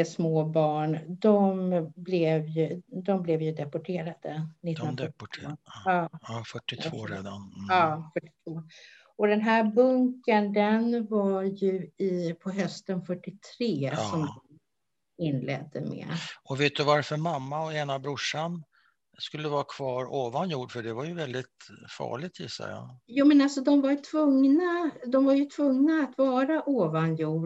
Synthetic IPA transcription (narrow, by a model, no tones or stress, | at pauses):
ɛsmoːbɑːɳd̪ɔmblɛvjɵd̪ɔmblɛvjɵd̪ɛpɔʈʰeːɾad̪ənɪt̪ːn | ɑːfœʈːɪt̪voːɾḛd̪anɑːfœʈːɪ̥t̪ʰvoː | ɔd̪ɛnɦæːɾbɵŋkənd̪ɛnvaɾjɵɪpʰɔɦœst̪ənfœʈːɪt̪ʰɾeːsɔmd̪ | ɪnːlɛ̰d̪ːə̰mɛ̰ɔveːt̪̚d̪ɵvaɾfœɾmamːaɔeːnabɾʊʂan | skɵlːəvɑːɾakʰv̥ɑːɾoːvanjuːɖfœɖɛvaɾjɵvɛld̪ɪt̪fɑ̰ːɭɪɡ̚t̪ʰjɪ̰sːa̰jɑ̰juːmɛnalsɔd̪ɔmvaɾjt̪ʰv̥ɵŋnad̪ɔmvaɾjɵt̪ʰvɵŋnaːt̪vɑːɾaʔoːvanjuː